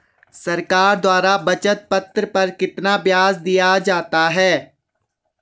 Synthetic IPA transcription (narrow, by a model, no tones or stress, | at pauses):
sɐɾkaːɾd̪waːɾabɐt͡ʃət̪̚pɐt̪ɾəpɐɾkɪt̪nabjaːzd̪ijad͡ʒaːt̪aɦɛː